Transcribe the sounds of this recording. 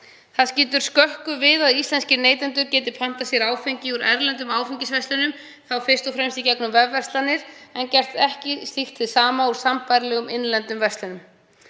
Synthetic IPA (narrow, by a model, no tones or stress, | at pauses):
θaðsciːt̪ʏɾ̥skœhkʏvɪðaðist̪lɛnscɪneːjt̪ɛnt̪̬ʏɾcɛːt̪ɪpʰan̥t̪asjɛɾaːwfeɲcɪuɾʔɛɾlɛnt̪̬ʏmaːwfiɲcɪsvɛst̪lɪnʏm | θawfɪr̥st̪ɔfɾɛmst̪icɛknʏmvɛvːɛrst̪lanɪɾ̥ɛncɛr̥t̪ɛhcɪst̪ixt̪vɪðsaːmauɾ̥sampajɾlɛɣʏmɪnlɛnt̪ʏmvɛst̪lʏnʏm